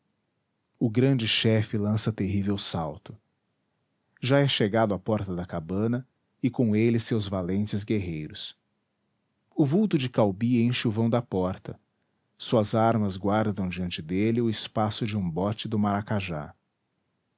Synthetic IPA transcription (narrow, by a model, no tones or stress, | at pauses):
ʊɡɾɐ̃nd͡ʒɪʃɛfɪlɐ̃sɐt̪eɦivewsawt̪ʊ̥ | ʒaɛʃeɡad̪ʊapɔɾt̪ɐd̪ɐkabɐ̃nɐ | ɪkõelɪsewzvalẽnt͡ʃɪzɡeɦejɾʊs | ʊvuwt̪ʊd͡ʒɪkawbiẽj̃ʃuvɐ̃w̃d̪ɐpɔɾt̪ɐ | suɐzaɾmɐzɡwaɾd̪ɐ̃w̃d͡ʒiɐ̃nt͡ʃɪd̪elɪʊɪspasʊd͡ʒɪũbɔt͡ʃɪd̪ʊmaɾakaʒa̰